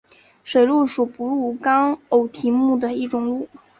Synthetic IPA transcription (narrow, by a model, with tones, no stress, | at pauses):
ʂwe˨˩ɪlu˥˩ʂu˨˩pu˧˥lu˥˩kɑ˥ŋo˨˩ʊt̪ʰi˧˥mu˥˩d̪ə˩i˥˩ʈ͡ʂʊ˨˩ŋlu˥˩